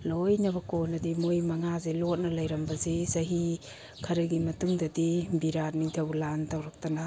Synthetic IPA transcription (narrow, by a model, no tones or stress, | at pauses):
lojnɐbɐkonɐdimojmɐŋazelot̚nɐlɐjɾɐmbɐzesɐɦi | kʰɐɾɐɡimɐtuŋdɐdibiɾat̚miŋtʰɐwlantawɾak̚tana